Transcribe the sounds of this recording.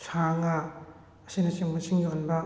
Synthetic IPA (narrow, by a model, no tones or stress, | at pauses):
sʰaŋaː | sinɐseŋmɐsʰiŋjonbɐ